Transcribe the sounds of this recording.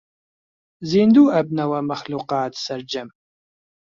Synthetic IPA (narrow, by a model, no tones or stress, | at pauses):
ziːnd̪uːʔɐb̚nɐwɐmɐχluːqɑːtʰsɐrd͡ʒɐm